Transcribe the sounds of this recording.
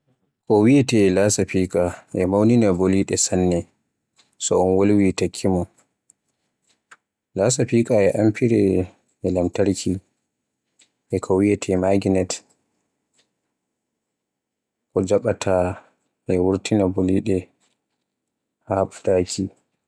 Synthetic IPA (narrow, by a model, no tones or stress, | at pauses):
kɔwiɛtɛlasapikʼaʔɛmawninaboliɗɛsanːɛ | sɔɔnwolwitakʰːimɔ | lasapikʼaɛʔampʰiɾɛ | ɛlamtaɾkʰi | ʔɛkʰɔwiɛtʰɛmaɡinɛt | kɔd͡ʒaɓatʰa | ʔɛwuɾtʰinaboliɗɛ | haɓadakʰi